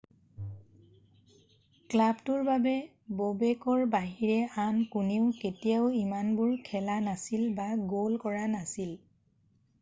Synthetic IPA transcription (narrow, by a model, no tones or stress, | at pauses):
klabtʊɹbabɛ | bobekɔɹbaɦiɹɛankuneʊketijaʊimanbʊɹkʰɛlanasilbaɡolkɔɹanasil